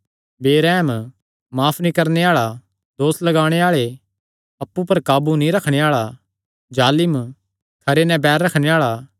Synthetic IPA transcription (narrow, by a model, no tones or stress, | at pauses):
beːɾɛːm | maːpʰnĩkɐɾneaːɭa | d̪oːslɐɡaːɽ̃eaːɭe | ɐpːupɐɾkaːbunĩɾɐkʰɽ̃eaːɭa | d͡ʒaːlɪm | kʰɐɾenɛ̃bɛːɾːɐkʰɽ̃eaːɭa